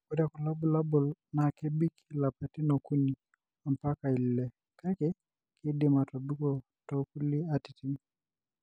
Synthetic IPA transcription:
kʊ˦da˦˨ku˨lɔ˦bʊ˨la˦bʊ˨lna˨ke˦bi˦kʰi˨la˨pɛ˨ti˦no˨ku˦ni˨ | a˨mpa˦ka˨i˨lɪ˨lɛ˦ | ka˦kɪ˦ | kʰɪ˦di˨ma˨tɔ˨du˦kɔ˦˨ | tɔ˦ku˦li˦a˨ti˨ti˦n˦

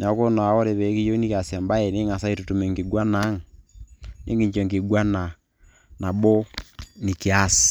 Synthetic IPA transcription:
na˨ɔ˨˦ko˦n˨a˨ɔ˦ɾe˨βɛ˨˦ki˦jo˦ni˦ka˨sja˨mba˦ɛ˨ne˦ŋa˨sa˦i˦tu˨tu˨mɛ˨ŋɡi˨ɡwa˦na˦ŋ˨ | nʔe˦ŋɡe˦˨ɲt͡ʃɔ˨ŋɡi˨ɡwa˦na˨ | na˨bo˦ni˨ki˨a˦si̥˨

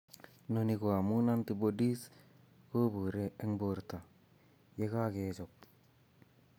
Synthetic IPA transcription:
noniko˨a˨mu˦na˦nti˨bodi˦s | ko˦bu˨ɾee˦ŋboɾta˨ | je˦ka˦ket͡ʃok̚

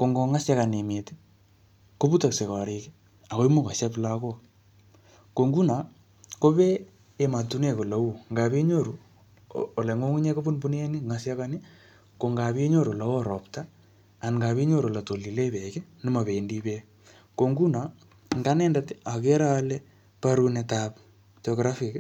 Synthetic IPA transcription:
ko˨ŋɡo˨ŋa˦sja˦ka˨ne˨me˨te̥˦ | ko˦bu˦ta˨kse˨ka˨ɾe˨ke˦ | a˨ko˦i˦mo˦ka˨ʃa˦p̬la˦ko˦ | ko˨ŋɡu˦na˨ | ko˦βeː˦˨ | ma˨tu˦ne˦˨ko˨la˨u˦ŋɡa˨bi˦ɲo˦ɾu˨ | o˨lɛ˨ŋo˦ŋu˦ɲɛ˦ko˦bu˦nbu˦n˦e˦ni˦ŋa˨sja˦ka˦ni˦ | ko˨ŋɡa˨βi˦e˦ɲo˦ɾo˨la˨wo˦ɾɔ˨ptaː˦˨ | nŋɡa˨βi˦ɲo˦ɾo˨la˨to˨li˨le˦bɛ˨ke˦nɪ˦ma˨βe˨ndi˦be˦ | ko˨ŋɡu˦na˨ | ŋɡa˦nɛ˦nda˨ta˨k̬e˦ɾa˦lɛ˦ | pa˦ɾu˦ne˨ta˨p | t͡ʃɔ˨ɡɾa˦fi˨k

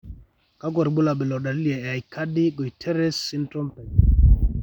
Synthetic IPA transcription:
ka˦ɡwɔ˨ɾɡ͡bo˦la˨ɓɛ˨lɔ˨da˨li˦li˨a˨a˨jka˦di˦ɡo˨i˨tʰɛ˦ɾɛ˦sːi˦ntɾɔ˦mpɛ˨

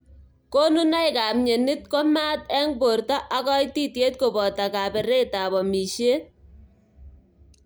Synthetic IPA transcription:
ko˦nu˦na˦jka˨mɲe˨nɪ˦tkɔ˦ma˦tɛ˦ŋbo˨rta˦ʔa˦kɔ˦jti˦tje˦t̚ko˨bɔ˨ta˨ka˨pɛ˨ɾe˦ta˨βɔ˨mi˨ʃe˦t̚

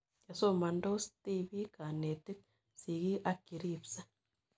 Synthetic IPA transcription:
ja˨so˦ma˨ndo˦sti˦βi˦ka˨ne˨ti˦k̚ | si˨ɣi˦ʔa˦ki˨ɾipsa˦

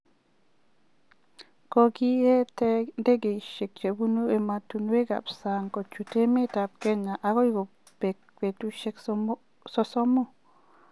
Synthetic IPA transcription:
kɔ˨ɡi˦ɛ˦tɛ˦nde˦ɡe˨i˨ʃe˨k̚t͡ʃe˨bu˦nu˦e˨ma˨tu˨n˦we˦ɡa̰˨psa˨ŋkɔ˨t͡ʃu˨te˦mɪ˦ta˨p̚kɛ˦ɲa˨ʔa˨kɔ˦jɡo˨ | pe˨k | pe˨tu˦ʃe˦k | sɔ˦sɔ˦mɔ˦

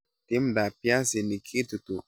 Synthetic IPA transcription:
t̪i˦mda˨pja˦si˨ni˨kʰi˦t̪u˨t̪u˨

